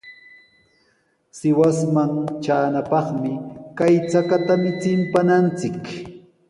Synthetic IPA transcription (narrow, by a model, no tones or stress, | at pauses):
sɪwasmaŋt͡ʃaːnapɑχmɪkajt͡sakat̪amɪt͡sɪmpanant͡sɪk